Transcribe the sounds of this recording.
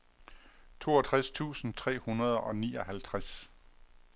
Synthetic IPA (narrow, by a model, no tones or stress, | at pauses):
t͡sʰo̝ːɒt͡sʰʁast͡sʰṵːsn̩t͡sʰʁɛ̰ːhunɐð̞ˠɒ̽nḭːɒ̽hælt͡sʰʁas